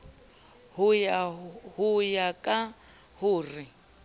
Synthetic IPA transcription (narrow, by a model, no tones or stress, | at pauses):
hʊjahʊjakʼa | hʊːrɪ